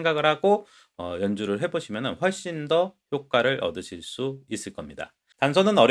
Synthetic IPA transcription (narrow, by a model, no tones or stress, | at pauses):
ŋɡaɡɯɭhaɡo | ʌjʌnd͡ʑuɾɯɭɦe̞boɕʰimjʌnɯnɸwʌɭɕ͈indʌçjok͈̚aɾɯɾʔʌ̰dɯɕʰiɭs͈uis͈ɯɭk͈ʌmɲida̰ | tansʰʌnɯnʌɾ